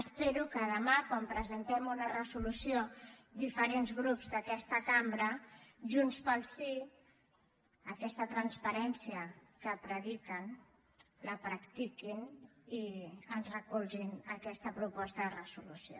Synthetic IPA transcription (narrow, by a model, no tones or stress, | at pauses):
əspeɾukəðəmakwampɾəzənt̪ɛmunərəzulusiod̪ifəɾenzɣɾupzd̪əkɛst̪əkambɾəʒunspəlˠsi | əkɛst̪ət̪ɾənspəɾɛnsiəkəpɾəðikən | ləpɾakt̪ikiniənzrəkulʒinəkɛst̪əpɾupɔst̪əðərəzulusio̰